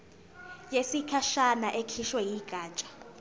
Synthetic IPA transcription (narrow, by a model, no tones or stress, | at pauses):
jesikʰaʃanaʔekʰiʃwɛjiɡ̥ʱaːt͡ʃʼḁ